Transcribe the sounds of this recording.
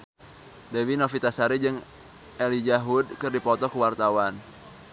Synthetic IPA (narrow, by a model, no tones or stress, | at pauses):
dewinofit̪asaɾid͡ʒɨŋ | ʔɛlid͡ʒaɦudkɨrdipɔt̪ɔkəwart̪awan